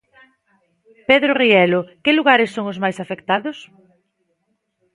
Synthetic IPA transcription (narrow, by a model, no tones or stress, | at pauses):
peðɾʊriɛlʊkɪluɣaɾɪsːoŋʊzmajsafekt̪aðʊs